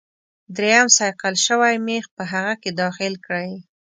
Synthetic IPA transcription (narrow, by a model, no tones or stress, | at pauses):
d̪ɾejamsɑjqalʃəwajmexpəɦaɣaked̪ɑxɪlkɽaj